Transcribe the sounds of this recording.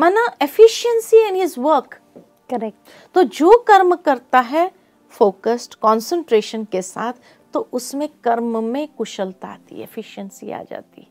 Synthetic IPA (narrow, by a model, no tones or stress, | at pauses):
mɛnaefɪʃənsiɪ̃nɦɪzʋəɾk | kɐɾɛk̚ʈ | t̪od͡ʒoːkɐɾmkɐɾt̪aɦɛ | foːkəsʈkɔ̃ːnsə̃ɳʈɾeːʃənkesa̰ːt̪ʰ | t̪ːoʔʊsmẽkɐɾmmẽkʊʃəlt̪a̰ːt̪ḭḛfɪʃənsḭa̰ːd͡ʒa̰ːt̪iɦɛ